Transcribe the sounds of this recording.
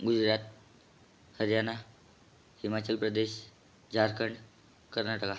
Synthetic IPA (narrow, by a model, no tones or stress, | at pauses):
ɡud͡ʑɾat̪̚ | həɾjana | himat͡ɕəlpɾəd̪eɕ | d͡ʑʱaɾkʰəɳɖ | kəɾnaʈəka